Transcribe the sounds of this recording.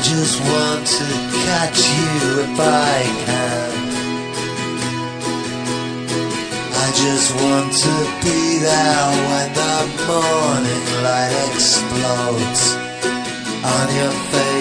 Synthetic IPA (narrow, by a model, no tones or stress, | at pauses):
d͡ʒʌst̚wɑ̃ntʰɨkʰæt͡ʃɨðɨbaɪkʰæ̃m | aɪd͡ʒʌst̚wɑ̃ntʰɨbiɾaʊt̚wə̃nðət̚mɔɹnɪ̃ŋɹaɪɾɛksploʊz | njə˞feɪ